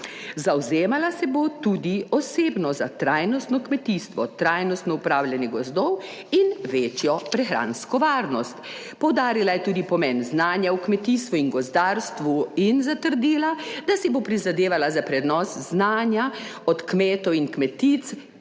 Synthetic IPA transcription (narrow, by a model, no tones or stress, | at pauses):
zawzeːmalasɛbot̪ud̪iɔseːbnɔzat̪ɾajnɔst̪nɔkmɛt̪iːst̪ʋɔt̪ɾajnɔst̪nɔupɾaːwlʲjɛnjɛɡɔzd̪ɔw | inʋeːt͡ʃjɔpɾɛxɾa̰ːnskɔʋaːɾnɔst̪ | pɔwd̪aːɾilajɛt̪uːd̪ipɔmɛnznaːnjaukmɛt̪iːst̪ʋuinɡɔzd̪aːɾst̪ʋuinzat̪əɾd̪iːlad̪asɛbopɾizad̪eːʋalazapɾɛd̪nɔsznaːnjaɔt̪kmeːt̪ɔwinkmɛt̪it̪t͡s̪